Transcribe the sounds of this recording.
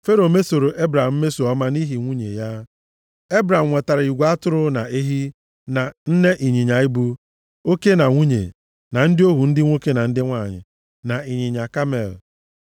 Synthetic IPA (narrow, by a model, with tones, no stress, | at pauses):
fe˦ɾo˨me˦so˨ɾo˨ʔe˦bɾa˨m̩˦me˦so˨ɔ˦ma˦ni˦ɦi˨ŋʷu˦ɲḛ˨ja˦ | e˦bɾa˨m̩˨ŋʷe˨ta˨ɾɪ˨i˨ɡʷa˦tʊ˦ɾʊ˦na˨e˦ɦi˦ | na˨n̩˦ne˦ʔi˨ɲi˨ɲa˨i˦bu˦ | o˦ke˦na˨ŋʷu˦ɲḛ˨ | na˨n̩˦dɪ˦o˦ɦu˨n̩˦dɪ˦ŋʷo˦ke˦na˨n̩˦dɪ˦ŋʷa˦˨ɲɪ̰˨ | na˨i˨ɲi˨ɲa˨ka˦mḛ˨l